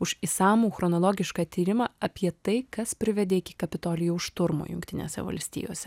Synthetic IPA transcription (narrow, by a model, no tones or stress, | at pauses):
ʊʃisɑːmuːxɾɔnoːlˠoːɡʲɪʃkɑːt̪ʲiːɾʲɪmɑːɐpʲiɛt̪ɐɪkɐspʲɾʲɪʋʲɛd̪ʲeːɪkʲɪ̥kɐpʲɪt̪oːlʲɪjuʊʃt̪ʊɾmo̰ːjʊŋkt̪ʲɪnʲḛːsʲɛ̰ʋɐ̰lʲsʲt̪ʲḭːjoːsʲɛ